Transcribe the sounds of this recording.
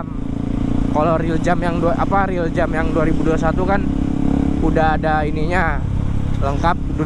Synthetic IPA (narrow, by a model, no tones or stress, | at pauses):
m | kaloɾild͡ʒamjaŋduaʔapaɾild͡ʒamjaŋduaɾibuduas̬at̪ukan | udaːdainiɲa | ləŋkap̚du